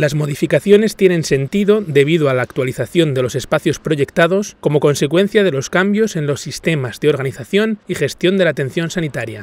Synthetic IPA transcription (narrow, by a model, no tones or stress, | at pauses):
lazmo̞ð̞ifikaθjo̞ne̞st̪je̞nẽ̞nse̞nt̪iðo̞d̪e̞βiðoalaːkt̪waliθaθjo̞nd̪e̞lo̞se̞spaθjo̞spɾo̞ʝe̞kt̪aðo̞sko̞mo̞ko̞nse̞kwe̞n̟θjað̞e̞lo̞skambjo̞se̞nlo̞sːist̪e̞mazðeo̞ɾɣ̞aniθaθjo̞nixe̞st̪jo̞nd̪e̞lat̪e̞nθjo̞nsanit̪aɾja